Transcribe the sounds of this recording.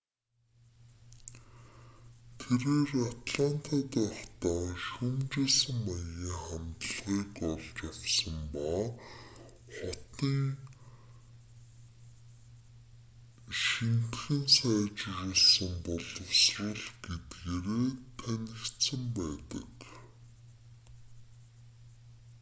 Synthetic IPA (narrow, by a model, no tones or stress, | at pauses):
t̪ʰeɾeːrat̪ɮan̥t̪ʰaːt̪ːɔχt̪aːʃumt͡ɕeːɮsə̆ŋmajiːŋχæmt̪əɮʁiːkɔɮt͡ɕawsə̆mpa | χɔt̪iːŋ | ʃint̪xɘ̆nsæːt͡ɕɪreːɮsə̆mpɔɮɞ̆wsrə̆ɮɡet̪ɡeːɾeːt̪ʰænʲɪ̆kt̪sə̆mpæːt̪ə̰̆k